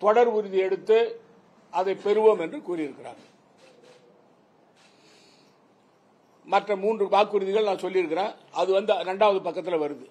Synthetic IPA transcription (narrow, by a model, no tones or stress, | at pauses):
t̪ɔɽɐɾʊɾɯðiɛɽɯt̪ːɯ | ɐðɐɪpɛɾɯʋoːmɛndrɯkuːɾɪɪɾɯkːɪɾa̰ːɾ | mɐʈrɐmuːndrɯbaːkːʊɾɯðɪɣɐɭnãːsɔlːɪɪɾɯkːɪɾẽːɐðɯʋɐnd̪ɯɾɛɳɖaːʋɐðɯpɐkːɐt̪ːɪlɐʋɐɾɯðɯ